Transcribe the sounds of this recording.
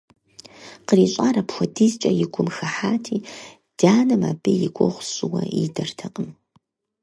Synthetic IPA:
qəriːɕʼaːrɐpxʷɔdizt͡ʃʼɐjɪɡʷʊmxɐħaːtʰiː | d̥aːnɐma̰ːbijɪkʷʼɔʁʷɕʼɪwɐḭdɐrtʰɐqʼəm

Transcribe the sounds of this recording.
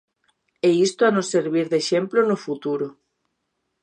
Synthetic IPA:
eist̪oanõseɾβ̞iɾðeʃemplonofut̪uɾo

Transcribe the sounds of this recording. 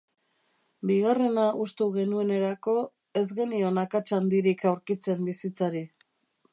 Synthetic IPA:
biɣ̞are̞naʔust̪uɣe̞nue̞ne̞ɾako̞ | e̞zɣe̞nio̞nakat͡ʃand̪iɾikawɾkit͡se̞mbisit͡saɾi

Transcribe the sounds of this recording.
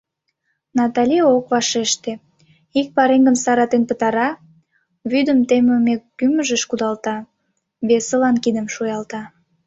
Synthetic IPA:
nɑt̪ɑlʲiokβɑʃeʃt̪e | ik̚pɑɾeŋɡəmsɑɾɑt̪enpət̪ɑɾɑ | βyd̪əmt̪emømekːyməʒəʃkud̪ɑlt̪ɑ | βesəlɑnkid̪əmʃujɑlt̪ɑ

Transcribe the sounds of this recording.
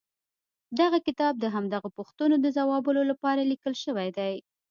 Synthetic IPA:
d̪aɣakɪt̪ɑb̚d̪əɦamd̪aɣapuxt̪ənod̪əzawɑbəlolapɑɾalikəlʃəwajd̪aj

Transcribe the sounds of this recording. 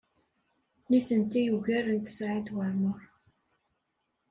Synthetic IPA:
niθənt̪æjuʝæɾənt̪sʕid̪wəɾməɾˤ

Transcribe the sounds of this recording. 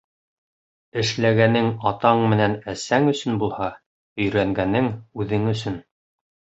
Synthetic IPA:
ɘ̆ʃlæɡænɘŋɑt̪ɑɴmɘ̆nænæsæŋɵ̆sɵnbulˠhɑ | ɵ̆jɾæŋɡænɘŋʉðɘŋɵ̆sɵn

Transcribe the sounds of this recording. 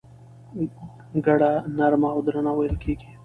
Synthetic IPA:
ɡɐɽanɐɾmaod̪ɾanawajlkiːɡi

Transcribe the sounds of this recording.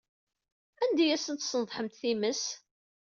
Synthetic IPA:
ænd̪æjæsənt̪sənðˤħəmt̪θiməs

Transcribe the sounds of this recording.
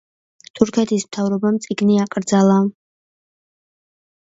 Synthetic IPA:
t̪ʰuɾkʰɛt̪ʰismt̪ʰavɾɔbamt̪sʼiɡniakʼɾd̪zalˠa

